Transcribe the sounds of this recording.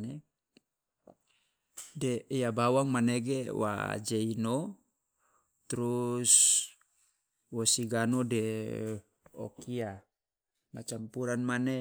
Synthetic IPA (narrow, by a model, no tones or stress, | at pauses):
ne | deijabawaŋmaneɡewa̰d͡ʒeino | t̪ɾus | wosiɡanode | o̰kia | mat͡ʃampuɾanmane